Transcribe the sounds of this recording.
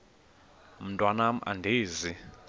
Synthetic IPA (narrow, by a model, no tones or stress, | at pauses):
m̩tʼwanam̩ʔa̰ndʱeːzi